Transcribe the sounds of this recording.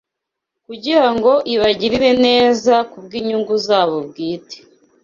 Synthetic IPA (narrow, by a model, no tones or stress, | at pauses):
kuɟiɾaŋɡo̞ʔiβaɟiɾiɾe̞ne̞ːzakub̚ɡiːɲuŋɡuzaːβob̚ɡiːte̥